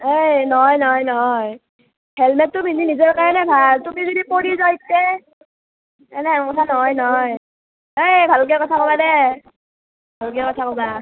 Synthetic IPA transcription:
ejnɔɔjnɔɔjnɔɦɔj | hɛlmɛtːʊbʱininizɔɹkaɹɔnɛbʱaltumizɔdipoɹizawjtːɛ | ɛnɛakɔtʰanɔɦɔjnɔj | ejbʱalk̬ɛkɔtʰakɔbadɛ | bʱalk̬ɛkɔtʰakɔba

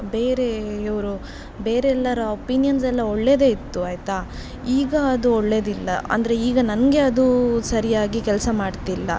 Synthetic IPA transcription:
beːɾeɐʋɐɾu | be̞ːɾeɛlːɐɾɐopinijɐnsɐlːɐoɭːe̞ːd̪e̞ːit̪ːuaːjt̪a | iːɡɐːd̪uoɭːe̞ːd̪ilːɐ̰ɐ̰nd̪ɐɾe̞iːɡɐnɐnɡe̞ɐd̪usɐɾijaːɡikɛlɐsɐmaːɖt̪ilːɐ̰

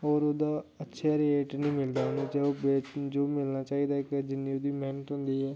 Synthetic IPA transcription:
ɔːɾoːd̪aːətːʃʰaːɾieːʈnĩːmɪld̪aːɦnẽːd͡ʒɛːobeːd͡ʒoːmɪlnaːt͡ʃaːiːd̪aːɪkd͡ʒɪnːiod̪iːmɛːnət̪ɦʊ̃ːnd̪iːɦɛː

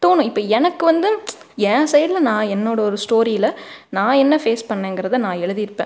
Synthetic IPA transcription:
t̪oːnʊ̃ɪpːɐːɛnɐkːɯʋɐnd̪ɯ | ɛ̃ːsɛjɐɽlɐnãːɛnːoːɽɐɔɾɯsʈoːɾijɪlɐnãːɛnːɐfeːspɐɳːẽːŋɡɪɾɐðɐnãːɛɻɯðɪjɪɾɯpːḛ̃

